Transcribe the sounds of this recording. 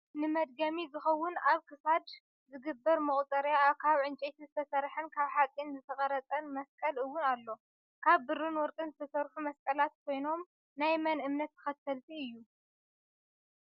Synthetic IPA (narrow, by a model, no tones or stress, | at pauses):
nɨmɐd̪̚ɡɐmizɨxɐwːʊnaβkʰɨsad̪ | zɨɡɨbːɐɾmɨχʼt̪ʼɐɾjaaβkʰaβʕɨnt͡ʃʼet̪ʰizɨt̪ʰɐsɐɾħɨnkʰaβħat͡sʼinzɨt̪ʰɐɣʼɐɾɐt͡sʼɐnmɐskʼɐlɨwːʊnalːo̞ | kʰaβbɨɾːɨnwɔɾkʼɨnzɨt̪ʰɐsɐɾħumɐskʼɐlat̪̚kʰo̞jno̞m | najmɐnɨmnɐt̪ːʰɨ̥xɐt̪ʰːɐlt̪ʰiɨjːu